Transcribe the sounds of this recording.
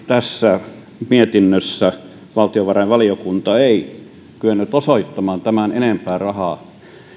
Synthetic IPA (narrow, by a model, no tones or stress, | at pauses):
t̪æsːæ | miet̪inːøsːæ | ʋɑlt̪ioʋɑrɑiʋʋɑlijokunt̪ɑei | kyønːyt̪osoit̪ːɑmɑːnt̪æmænenempæːrɑhɑˑ